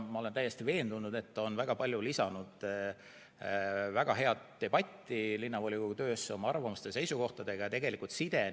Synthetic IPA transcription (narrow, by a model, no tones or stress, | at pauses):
mɑole̞nt̪æjːe̞st̪ive̞ːnd̪̥unːud̪̥e̞t̪ːˑo̞nvæɡ̥ɑpɑlʲjulisɑnud̪̥ | væɡ̥ɑɦe̞ɑt̪ːe̞b̥ɑt̪ʲːilinːɑvolʲikut̪ø̞ːseo̞mɑɑrvɑmust̪e̞se̞jsuko̞ht̪ɑd̪e̞ɡɑjɑt̪e̞ɡe̞likˑult̪sid̪̥e̞